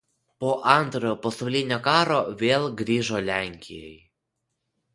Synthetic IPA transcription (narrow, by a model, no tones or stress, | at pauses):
poːʔɐnt̪ɾojopɔst̪ɐʊlʲeːnʲokɑːɾoʋʲeːlˠɡɾʲiːʒolʲæːŋʲkʲɪ̰jɛ̰j